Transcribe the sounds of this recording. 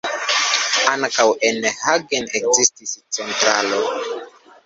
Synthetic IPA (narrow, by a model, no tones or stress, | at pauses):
aŋkawʔenhaɡenekzistist͡sentɾalo